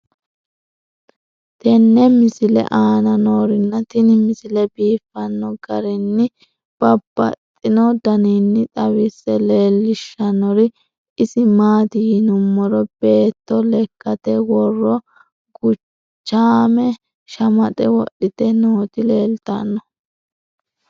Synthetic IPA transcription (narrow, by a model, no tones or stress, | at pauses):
t̪ɛnːɛmɪsɪlɛ̰ʔaːnɐnoːɾɪnːɐt̪ɪnɪmɪsɪlɛbiːfːɐnːɔɡɐɾɪnːɪ | b̥ɐbːɐ̰t̪ʼːɪnɔd̪ɐninːɪt̪ʼɐwɪsɛle̞ːlːɪʃːɐnɔɾɪ | ɪsɪmaːt̪ɪjɪnʊmːɔɾɔb̥e̞ːt̪ːɔlɛkʼːɐt̪ɛwɔrːɔ | ɡʊ | t͡ʃːaːmɛ | ʃɐmɐt̪ʼɛwɔ̰ɗːɪt̪ɛnoːt̪ɪleːlt̪ɐ̰nːɔ